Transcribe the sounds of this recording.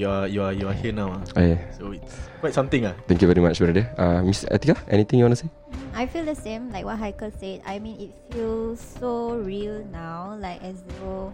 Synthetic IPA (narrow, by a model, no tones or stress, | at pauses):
juajuajuahiənawaʔojɛsoitskwajtsãmt̪ĩŋat̪ɛ̃ŋkjuvɛɾimat͡ʃfɛɾɛdəʔamisɛ̰t̪ikaʔɛ̰ñit̪ɪ̃ŋjuɔ̃ntuse | ajfildəsẽmlaɪjk̚wɔt̚ɦajkəlseda̰jmĩnit̚filsoɹilnawlaɪkɛseɡo